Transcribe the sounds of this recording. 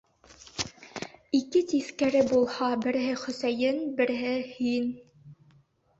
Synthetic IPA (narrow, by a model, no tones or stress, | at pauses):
ikɘt̪iθkæɾɘbulˠhɑbɘ̆ɾɦɘχɵ̆sæjɘnbɘ̆ɾɦɘhin